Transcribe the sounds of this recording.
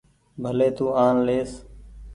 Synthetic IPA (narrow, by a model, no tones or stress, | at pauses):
bʱəleːt̪uːaːnleːs